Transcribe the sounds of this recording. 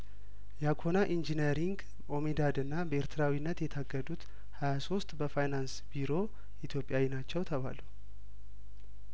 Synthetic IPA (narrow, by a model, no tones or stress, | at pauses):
jakʰo̞naʔind͡ʒinəɾiŋɡ | o̞mid̪ad̪ɨnːabəeɾt̪ʰɨɾawinːət̪jɛt̪ʰaɡəd̪ut̪ | hajaso̞st̪ʼbəfajnansbiɾo̞ | ʔit̪ʰjo̞pʼjawinat͡ʃːɛwt̪ʰəβa̰lə